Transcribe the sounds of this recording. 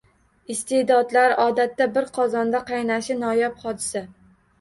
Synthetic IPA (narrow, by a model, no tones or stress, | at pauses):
ɪst̪ʰed̪ɒd̪laɾɒd̪at̪ːabɪɾqʰɒzɒnd̪aqɑjnaʃɪnɒjapχɒd̪ɪsa